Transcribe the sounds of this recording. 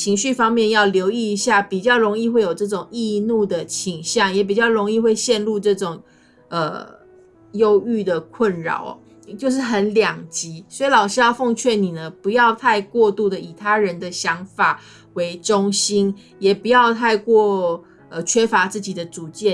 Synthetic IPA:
t͡ɕʰi˧˥ŋɕy˥˩fɑ˥ŋmjɛ˥˧njɑ˥˩ʊljo˧˥ʊi˥˩i˧˥ɕja˥˩pi˨˩t͡ɕjɑ˥˩ʊɻo˧˥ŋi˥˧xwe˥˩jo˨˩ʊʈ͡ʂɤ˥˩ʈ͡ʂʊ˨˩ŋi˥˧nu˥˩d̪ə˩t͡ɕʰi˨˩ŋɕjɑ˥˩ŋjɛ˨˧˥p̬i˨˩t͡ɕjɑ˥˩ʊɻo˧˥ŋi˥˧xwe˥˧ɪɕjɛ˥˧nlu˥˧ʈ͡ʂɤ˥˩ʈ͡ʂʊ˨˩ŋ | ə˩ | jo˦˥ʊy˥˩d̪ə˩kʰwə˥˩nɻɑ̰˨˩˦ʊ̰˩ | t͡ɕjo˥˧ʊʂ̬ɻ̩˥˩xə˧˦nljɑ˨˩ŋt͡ɕi˧˥swɔ˧˥i˨˥lɑ˨˩ʊʂ̩˥˦jɑ˥˧ʊfo˥˧ŋt͡ɕʰɥɛ˥˩ni˨˩nə˦pu˧˥jɑ˥˧ʊt̪ʰa˥˧ɪkwɔ˥˧t̪u˥˩d̪ə˨˩i˨˩t̪ʰa˦ɻə˧˦nd̪ə˨ɕjɑ˧˦˥ŋfa˨˩ | we˧˥ɪʈ͡ʂo˥ŋɕi˥n | jɛ˨˩pu˧˦jɑ˥˧ʊt̪ʰa˥˧ɪkwɔ˥˩ | ə˨˩t͡ɕʰɥɛ˥fa˧˥t͡sɹ̩˥˩t͡ɕi˨˩d̪ə˦t͡su˨˩˦t͡ɕjɛ˥˩

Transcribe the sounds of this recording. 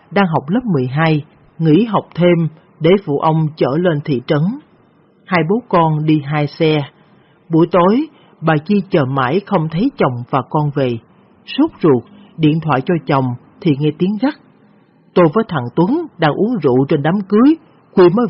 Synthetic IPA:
ɗaː˧ŋɦa˨˩wk͡p̚lə˦˥p̚mɨ˨˩əjɦaː˧j | ŋḭ˧˥ɦa˨˩wk͡p̚t̪ʰe˧m | ɗe˧˩vṵ˧˨ʔə˧wŋ͡mt͡ɕə̰ː˧˩le˧nt̪ʰḭ˧˨t͡ɕə˨˦n | haː˧jɓo˨˦kɔ˧nɗi˧ɦaː˧jsɛ˧ | ɓu˧˩əjt̪o˨˦j | ɓaː˨˩t͡ɕi˧t͡ɕəː˨˩ma̰ː˧˩jxə˧wŋ͡mt̪ʰə˨˦jt͡ɕə˨˩wŋ͡mvaː˨˩kɔ˧nve˨˩ | su˦˥p̚zu˨˩ək̚ | ɗḭ˧˨ənt̪ʰwa̰ː˧˨jt͡ɕɔ˧t͡ɕə˨˩wŋ͡m | t̪ʰi˨˩ŋɛ˧t̪i˨˦ənɣa˦˥k̚ | t̪o˧jvəː˨˦jt̪ʰa̰ː˧˨ŋt̪wə˨˦nɗaː˧ŋʔu˨˦əŋzṵ˧˨t͡ɕe˧nɗaː˨˦mkɨ˨˦əj | kwi˧məː˨˦

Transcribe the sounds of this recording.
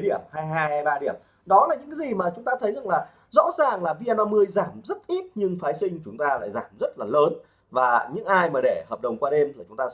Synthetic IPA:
jɗi˧˩əmhaː˧jɦaː˧jjɓaː˧ɗi˧˩əm | ɗɔ˨˦laː˨˩ɲɨ̰˧˥ka˨˦zi˨˩maː˨˩t͡ɕʊ˨˦ŋ͡mt̪aː˧t̪ʰə˨˦jza˨˩ŋlaː˨˩ | zɔ̰˧˥zaː˨˩ŋlaː˨˩vi˧ʔɛː˧maː˧mːɨ˧əjzaː˧˩mzə˦˥t̚ʔi˦˥t̚ɲɨ˧ŋfaː˨˦jsï˧ŋ̟t͡ɕʊ˨˦ŋ͡mt̪aː˧la̰ː˧˨jzaː˧˩mzə˦˥t̚laː˨˩ləː˨˦n | vaː˨˩ɲɨ̰˧˥ŋʔaː˧jmaː˨˩ɗe˧˩həː˨˩p̚ɗə˨˩wŋ͡mkwaː˧ɗe˧mlaː˨˩t͡ɕʊ˨˦ŋ͡mt̪aː˧

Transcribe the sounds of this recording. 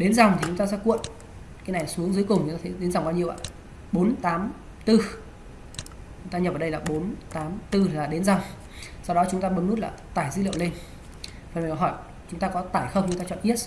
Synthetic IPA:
ɗe˨˦nza˨˩wŋ͡mt̪ʰi˨˩t͡ɕʊ˨˦ŋ͡mt̪aː˧sɛ̰˧˥kṵ˧˨ən | kaː˨˦jna˨˩jsu˨˦əŋzɨ˨˦əjkʊ˨˩ŋ͡mt͡ɕʊ˨˦t̪aː˧t̪ʰjɗe˨˦nza˨˩wŋ͡mɓaː˧wɲi˧əwʔa̰ː˧˨ | ɓo˨˦nt̪aː˨˦m | t̪ɨ˧ | t͡ɕʊ˨˦ŋ͡mt̪aː˧ɲə˨˩p̚ːɗə˧laː˨˩ɓo˨˦nt̪aː˨˦mt̪ɨ˧˨aː˨˩ɗe˨˦nza˨˩wŋ͡m | sa˧wɗɔ˨˦t͡ɕʊ˨˦ŋ͡mt̪aː˧ɓə˨˦nːu˦˥t̚la̰ː˨˩t̪aː˧˩jzɨ̰˧˥lḭ˧ə˨wle˧n | fə˨˩n˨˩kːɦɔ˧˩j | t͡ɕʊ˨˦ŋ͡mt̪aː˧kɔ˨˦t̪aː˧˩jxə˧wŋ͡mt͡ɕʊ˧˦ŋ͡mt̪aː˧t͡ɕɔ̰˧˨ʔi˦˥ət̚

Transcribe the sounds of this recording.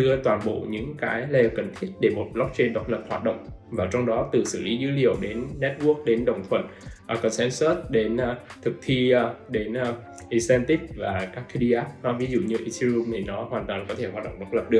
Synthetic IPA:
ɨ˧ət̪waː˨˩nɓo̰˧˨ɲɨ̰˧˥ŋkaː˨˦jle˧˩˨wkə̰˧˩ŋ̟t̪ʰi˦˥ət̚ɗe˧˩mo˨˩t̚ɓlɔ˦˥k̚t͡ɕe˧nɗə˨˩wt̚lə˨˩p̚hwaː˨˩t̚ɗə̰˧˨wŋ͡mvaː˨˩t͡ɕɔ˧wŋ͡mɗɔ˨˦t̪ɨ˨˩sɨ̰˧˩li˨˦zɨ˨˦lḭ˨əwɗe˨˦nːɛ˦˥t̚ɓu˦˥ək̚ɗe˨˦nɗə̰˧˨wŋ͡mt̪ʰwə̰˧˨nʔa˨˩kɔ˧˩nsɛ˨˧nswə˦˥t̚ɗe˨˦nʔt̪ʰɨ˨˩k̚t̪ʰi˧ɗe˨˦nʔ | ʔi˧sɛ˧nt̪i˦˥k̚vaː˨˩kaː˦˥kːi˧ɗi˧ʔaː˦˥p̚ɔ˨˦vi˨˦zṵ˧˨ɲɨ˧ʔi˧si˧zu˧mt̪ʰi˨˩nɔ˨˦hwaː˨˩nt̪waː˨˩nkɔ˨˦t̪ʰe˧˩hwaː˨˩ɗə̰˧˨ŋ͡mɗə˨˩wt̚lə˨˩p̚ɗɨ˨˩ək̚

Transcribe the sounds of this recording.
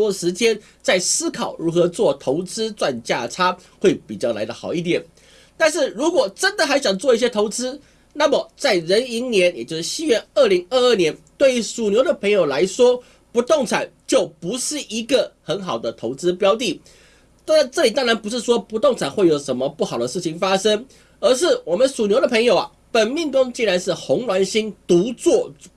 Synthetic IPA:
ɔ˥ə˨ʂɻ̩˧˥t͡ɕjɛ˥n | t͡sa˥˩ɪsɹ̩˥kʰɑ˨˩ʊɻu˧˥xɤ˧˥t͡swɔ˥˩t̪ʰo˧˥ʊt͡sɹ̩˥t͡swa˥˧nt͡ɕja˥˩ʈ͡ʂʰa˥xwe˥˩ɪpi˨˩t͡ɕjɑ˥˩ʊla̰˧˥ɪd̪ə˧xɑ˨˩ʊi˥˩t̪̬jɛ˨˩˦n | t̪a˥˧nʂɻ̩˥˩ɻu˧˥kwɔ˨˩ʈ͡ʂə˦˥nd̪ə˨xa˧˥ɪɕjɑ˨˩ŋt͡swɔ˥˧i˥˩ɕjɛ˥t̪ʰo˧˥ʊt͡sɹ̩˥ | na˥˩mə˩t͡sa˥˩ɪɻə˧˥ni˧˥nnjɛ˧˥njɛ˨˩t͡ɕjo˥˧ʊʂ̩˥˩ɕi˥ɥɛ˥˧nə˥˩li˧˥ŋə˥˧ə˥˩njɛ˧˥nt̪we˥˩ɪy˧˥su˨˩njo˧˥ʊd̪ə˨pʰŋjo˨˩ʊla˧˥ɪʂwɔ˥ | pu˧˥t̪ʊ˥˩ŋt͡sʰa˨˩nt͡ɕjo˥˩ʊpu˧˥ʂɻ̩˥˩ʔi˧˥ɡə˨xə˧˥nxɑ˨˩ʊd̪ə˦t̪ʰo˧˥ʊt͡sɹ̩˥pjɑ˥ʊt̪̬i˥˩˥ | ʈ͡ʂɤ˥˩li˨˩t̪ɑ˥ŋɻa˧˥npu˧˥ʂ̬ɻ̩˥˩ʂwɔ˥pu˧˥t̪ŋt͡sʰa˨˩nxwe˥˩ɪjo˨˩ʊʂə˧˥nmə˧pu˥˩xɑ˨˩d̪ə˦ʂɻ̩˥˩t͡ɕʰi˨˩ŋfa˥ʂə˥ŋ | ə˧˥ʂ̬ɻ̩˥˩wɔ˨˩mə˦nsu˨˩njo˧˥ʊdə˧pʰə˧˥ŋjo˨˩ʊa̰˩ | pə˨˩nmi˥˩ŋkʊ˥ŋt͡ɕi˥˧nɻa˧˥nʂɻ̩˥˩xʊ˧˥ŋlwa˧˥nɕi˥nt̪u˧˥t͡swɔ˥˩

